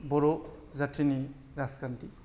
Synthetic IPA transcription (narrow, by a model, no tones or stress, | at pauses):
bɔɾo | zatʰini | ɾaskanti